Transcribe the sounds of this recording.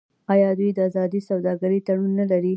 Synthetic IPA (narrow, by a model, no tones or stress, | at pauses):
ɑjɑd̪ujd̪əazɑd̪isawd̪ɑɡaɾit̪aɽunːalaɾi